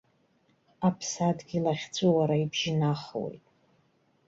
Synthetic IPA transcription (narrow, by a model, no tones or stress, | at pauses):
apʰsadɡʲilaχʲt͡sʷʼuwaɾaibʒɪnaχwḛjtʼ